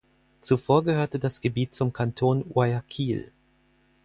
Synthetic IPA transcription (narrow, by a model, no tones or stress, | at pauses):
t͡sufoːɐɡəhøːɐtədasɡ̥əbiːt̚t͡sʊmkʰantʰoːnwaakʰiːl